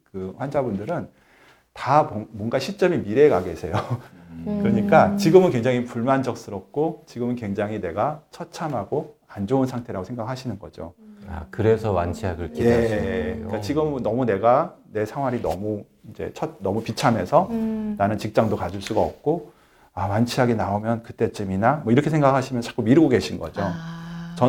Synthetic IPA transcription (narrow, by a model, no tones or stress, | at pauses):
kɯɸwand͡ʑabundɯɾɯn | tamwʌnɡaɕʰit͡ɕ͈ʌmimiɾe̞ɡaɡe̞sʰe̞jo | kɯɾʌɲik͈at͡ɕiɡɯmɯnkwe̞ŋd͡ʑaŋipuɭmand͡ʑʌk̚s͈ɯɾʌk̚k͈ot͡ɕiɡɯmɯnkwe̞ŋd͡ʑaŋɦine̞ɡat͡ɕʰʌt̚t͡ɕʰamɦaɡoand͡ʑounsʰaŋtʰe̞ɾaɡosʰeŋɡakʰaɕʰinɯnɡʌ̰d͡ʑo̰a̰kɯɾe̞sʰʌwant͡ɕʰiaɡɯkʰije̞ | k͈at͡ɕiɡɯmːʌmune̞ɡane̞sʰaŋɦwaɾinʌ̰mu | ind͡ʑe̞̰t͡ɕʰʌt̚nʌmupit͡ɕʰame̞sʰʌnanɯnt͡ɕik̚t͡ɕ͈aŋdokad͡ʑuɭs͈uɡaʌp̚k͈o | awant͡ɕʰiɦaɡenaomjʌnkɯt͈e̞t͡ɕ͈ɯminamʌiɾʌkʰesʰe̞ŋɡakʰaɕʰimjʌnt͡ɕḁk͈umiɾɯɡoɡe̞ɕʰinɡʌ̰d͡ʑot͡ɕʌ